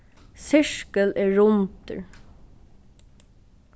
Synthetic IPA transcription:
sɪʂkəlɛɹʊnt̪ə̰ɹ

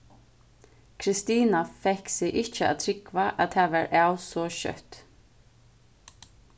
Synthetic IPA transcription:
kʰɾɪst̪iːnafɛhksɪʔɪht͡ʃəa̰t̪ʰɾɪkvaʔaðt̪ʰaːʋaɹaːwsɔʃœ̰t̪

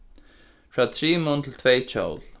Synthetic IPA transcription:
fɹat̪ʰɾiːmʊnt̪ʰɪlt̪ʰvejt͡ʃʰo̰wl

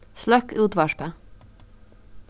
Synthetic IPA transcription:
slœkʉːt̪ʋɑʃpə

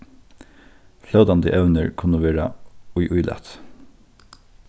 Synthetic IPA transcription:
flœʉd̪ɑnd̪ə̰ʔɛʉnəɹkʰʊnəʋeːɹɑʊʏʔʊʏlʔɛ̰t̪

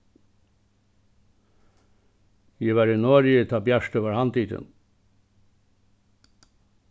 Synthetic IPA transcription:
jiʋæɾinɔɾjət̪ʰɑːbjæʂt̪øːʋəɾhɑnt̪ʰiːt̪ə̰n

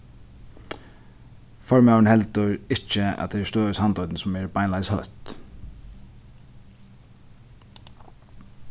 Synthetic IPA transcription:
fɔɹmawənhɛlt̪əɹɪt͡ʃːəa̰t̪̚d̪ɛɛst̪øːəsant̪ɔjt̪nsɔmɛɹbajnlaɪshœ̰t̪

